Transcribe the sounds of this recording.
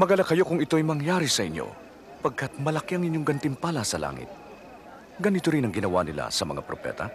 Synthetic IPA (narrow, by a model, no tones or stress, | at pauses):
mɐɡalɐkɐjo̞kʊŋɪt̪o̞ɐjmɐŋjaːɾisɐʔɪɲjo̰ | pɐɡ̚kɐt̪̚mɐlɐkiɐŋɪɲjo̞ŋɡɐnt̪ɪmpalɐsɐla̰ːŋɪ̰t̪̚ | ɡɐnit̪oɾinɐŋɡɪnɐwanɪla̰sɐmɐ̰ŋa̰pɾopɛ̰ːt̪ɐ